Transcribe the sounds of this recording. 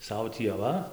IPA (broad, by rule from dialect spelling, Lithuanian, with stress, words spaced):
ˈsɐʊ tʲiː ɐˈʋɐ